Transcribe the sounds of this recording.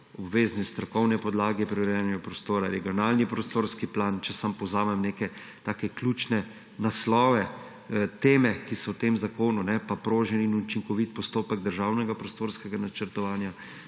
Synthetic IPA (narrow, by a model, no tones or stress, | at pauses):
ɔbʋeːznist̪ɾɔkɔwnɛpɔd̪laːɡɛpɾɛʋɛɾjɛnɛɡapɾɔst̪oːɾaɾɛɡijɔnaːlnipɾɔst̪oːɾskiplaːnt͡ʃɛsampɔwzaːmɛmneːkɛ | t̪aːkɛklʲut͡ʃnɛ | naslɔːʋɛ | t̪eːmɛkisɔwt̪eːmzakoːnunɛpapɾoːʒɛninut͡ʃiŋkɔʋit̪̚pɔst̪oːpɛɡd̪əɾʒawnɛɡapɾɔst̪oːɾskɛɡanat͡ʃəɾt̪ɔʋaːnja